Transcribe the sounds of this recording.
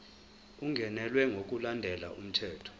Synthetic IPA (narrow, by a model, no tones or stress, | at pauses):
uŋʱɛnɛlwɛŋɡʱok̬ʼulandʱɛla̰um̩tʰɛːtʰɔ̥